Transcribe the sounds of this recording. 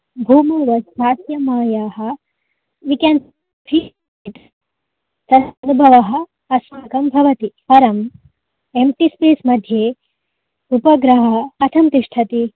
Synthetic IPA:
bʱuːmɐʋɐsaːsjɐmaːjaːɦɐ̆ | ʋikjɐnt̪ | bʰiː | t̪ | t̪ɐd̪ʰʱɐnubʱɐʋɐɦɐ̆ | ɐsmaːkɐmbʱɐʋɐt̪ipɐɾɐm | emʈispeːsmɐd̪ʱjeː | upɐɡɾɐɦɐɐt̪ʰɐmt̪iʂʈʰɐt̪i

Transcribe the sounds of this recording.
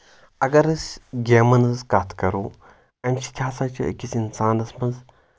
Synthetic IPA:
ɐɡɐɾɐsʲɡeːmɐnɐzkat̪ʰkɐɾuː | ɐnʲt͡ʃʰi̥t̪ʲʰaːsat͡ʃʰɐɐ̰kʲisinsaːnɐsmɐnz

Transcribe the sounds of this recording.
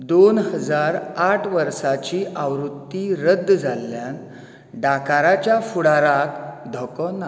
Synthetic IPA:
d̪onhəd͡zaɾaʈʰʋəɾsat͡ɕiːʔaʋɾut̪ːiɾəd̪ːd͡zʱalːjan | ɖakaɾat͡ɕjafuɽaɾak̪d̪ʱɔkɔna

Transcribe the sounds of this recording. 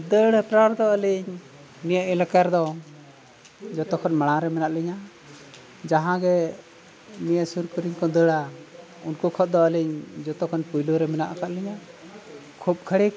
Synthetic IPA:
d̪əɽɛpɾaɾd̪ɔəliɲ | nijəʔɛlakaɾd̪ɔ | d͡ʒɔt̪ɔkʰɔnmaɽ̃aɾɛmɛnaʔlɛɲa | d͡ʒaɦãɡɛ | mijəsuɾkuɾiɲkɔd̪əɽa | unkukʰɔt̪̚d̪ɔəliɲd͡ʒɔt̪ɔkʰɔnpujluɾɛmɛnaʔakaʔ̪lɛɲa | kʰup̚kʰəɽi

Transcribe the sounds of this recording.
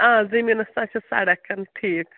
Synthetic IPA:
ãːzɐminɐsãt͡ʃʰɐsa̰ːɽɐkːɐnʈʰiːk

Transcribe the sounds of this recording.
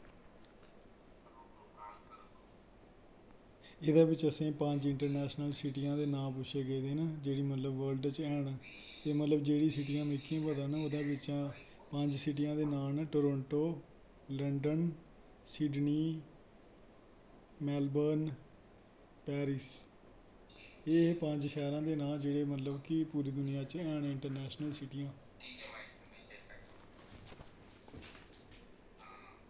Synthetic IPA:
ɪd̪ãːbɪt͡ʃəsẽːpəɲd͡ʒɪɳʈəɾnɛːʃnəlsɪʈijãːd̪eːnãːpʊʃʰeːɡeːd̪eːnaːd͡ʒeːɽiːmət̪ləbʋəːlɖt͡ʃɛːɳ̃ | t̪eːmət̪ləbd͡ʒeːɽĩːsɪʈijãːmɪkːɪjãːpəd̪ãːnaːʊd̪ãːbɪt͡ʃãː | pə̃ɲd͡ʒsɪʈ̬ijãːd̪eːnaːnʈoːɾõːɳʈoː | ləɳɖən | siːɖniː | mɛːlbəːn | pɛːɾɪs | ɪpə̃ɲd͡ʒʃɛːɾãːd̪eːnaːd͡ʒeːɽeːmət̪ləbkɪpuːɾiːd̪ʊnɪjãːt͡ʃɛːnɪɳʈəɾnɛːʃnəlsɪʈijãː

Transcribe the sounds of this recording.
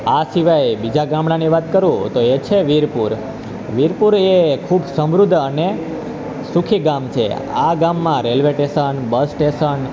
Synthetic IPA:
asiʋajbid͡ʒaɡamɽaniʋat̪kəɾũt̪oet͡ʃʰeʋiɾpuɾ | ʋiɾpuɾekʰubsəmɾud̪ʱːəne | sukʰiɡamt͡ʃʰḛa̰ɡamːãɾelʋeʈesənbəsʈesən

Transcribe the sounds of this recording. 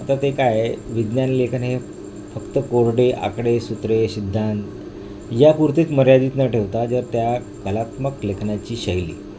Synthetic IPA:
at̪at̪ekajʋid̪njanlekʰənɦe | fəkt̪əkoɾɖeʔa̰kɽesut̪ɾeɕid̪ʱːant̪ | japuɾt̪iːt̪məɾjad̪iːt̪nəʈʰeʋt̪ad͡zəɾt̪ja | kəlat̪məklekʰnat͡ɕiːɕəjlḭː

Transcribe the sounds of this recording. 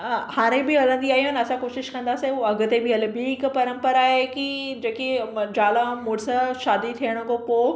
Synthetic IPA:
haːɽ̃ẽbɪɐlə̃nd̪iaːɦiɦanɐsãkoːʃɪʃkɐ̃nd̪aːsẽuɐɡʊ̆t̪ebɪɐlbiɪkpɐɾə̃mpəɾaːɦekid͡ʑeːked͡ʑaːlamʊɾsaʃaːd̪it̪ʰiəɽ̃ʊ̆kopoː

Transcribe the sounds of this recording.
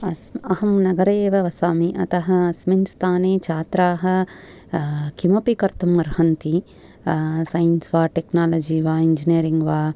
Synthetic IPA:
ɐsɐɦɐmnɐɡɐɾeːʋɐʋɐsaːmiʔɐ̰t̪ɐɦɐ̆sminst̪ʰaːneːt͡ʃʰaːt̪ɾaːɦɐ̆ | kimɐpikɐɾt̪ɐmʋɐɾhɐnt̪i | sɐjɐnsʋaːʈeknaːlɐd͡ʒiʋaːiɲd͡ʒinijɐɾiŋɡʋaː

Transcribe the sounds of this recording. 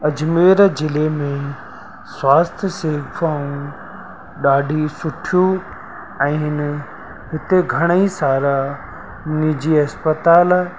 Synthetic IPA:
ɐd͡ʑmeːɾd͡ʑɪlemẽ | swaːst̪ʰjseːfʰaːũ | ɗaːɖʱisʊʈʰiju | ɛ̃ːɦɪn | ɦɪt̪eɡʱɐɽ̃əisaːɾa | nid͡ʑiːɐspət̪aːl

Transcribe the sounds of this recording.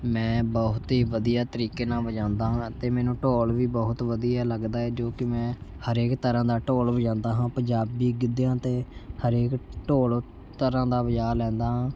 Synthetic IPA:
mɛ̃ːbɔɦʊt̪ɦiːʋəd̪ijaːt̪əɾiːkeːnãːʋəd͡ʒãːnd̪aːɦãːt̪eːmɛːnũːʈoːlʋiːbɔɦʊt̪ʋəd̪ijaːləɡd̪aːɛːd͡ʒoːkɪmɛ̃ːhəɾeːkt̪əɾãːd̪aːʈoːlbəd͡ʒãːnd̪aːɦãːpə̃ɲd͡ʒaːbiːɡɪd̪ejãːt̪eːhəɾeːkʈoːl | t̪əɾãːd̪aːbəd͡ʒaːlɛ̃ːnd̪aːɦãː

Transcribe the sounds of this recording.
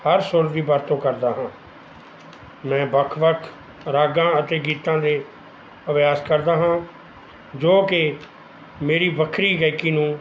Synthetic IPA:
həɾsʊɾd̪iːbəɾt̪õːkəɾd̪aːɦãː | mɛ̃ːbəkʰʋəkʰ | ɾaːɡãːət̪eːɡiːt̪ãːd̪eː | əʋjaːskəɾd̪aːɦãː | d͡ʒoːkɪ | meːɾiːbəkʰɾiːɡəːkiːnũː

